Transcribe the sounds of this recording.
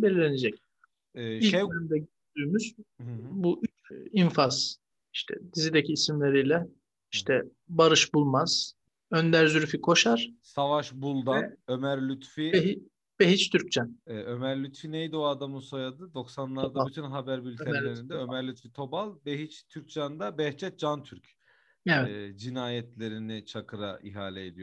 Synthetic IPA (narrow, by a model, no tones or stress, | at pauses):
belilʲened͡ʒɛc̚ | ɛːilejemd̪ɛɟøɾd̪yːmyz̥buʔyt͡ʃinfaz̥ | iʃt̪ʰɛ̰d̪izid̪ecʰiːsimlʲe̞ɾijlʲɛ | iʃt̪ʰɛ | baɾɯʃbulˠmaz̥ | ønd̪æɾzyɾfikʰo̞ʃaɾ̥savaʃbulˠd̪aømæɾlʲyt̪fibeɦi | b̥eɦit͡ʃt̪ʰyɾc̚t͡ʃanɛːø̞mæɾlʲyt̪finejd̪oad̪amusojad̪ɯd̪o̞ksanlˠaɾd̪ayt̪ʰynɦabæɾbylʲtʰɛɾllʲeɾind̪ɛø̞mæɾlʲyt̪fit̪ʰo̞balˠbeɦit͡ʃt̪ʰyɾc̚d͡ʒand̪abɛht͡ʃʰɛt̪̚d͡ʒant̪ʰyɾc | ɛɛd͡ʒinaːjɛt̪lʲe̞ɾinit͡ʃʰakʰɯɾa̰ʔḭɦaːlʲɛːd̪ij